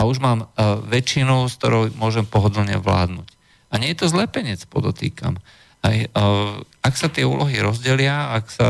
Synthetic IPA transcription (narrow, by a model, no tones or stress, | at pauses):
auʒmaːmʋɛt͡ʃinɔʊsk̚t̪ɔɾɔʊmʊɔʒɛmpɔɦɔd̪lɲɛ̰ʋla̰ːd̪nuːc | aɲɪɛjɛt̪ɔzlɛpɛɲɛt͡spɔd̪ɔt̪ḭːka̰m | ɦɛj | aksat̪ɪɛṵːlɔɦiɾɔzɟɛlɪaaksa